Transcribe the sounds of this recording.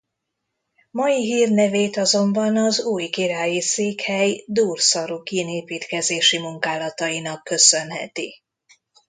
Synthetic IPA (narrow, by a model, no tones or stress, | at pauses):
mɒjiɦiːrnɛveːt̪ɒzo̞mbɒnɒzuːjkiɾaːjiseːkhɛjd̪uːrsɒɾukineːpiːt̪kɛzeːʃimuŋkaːlɒt̪ɒinɒkːø̞sø̞nɦɛ̰t̪i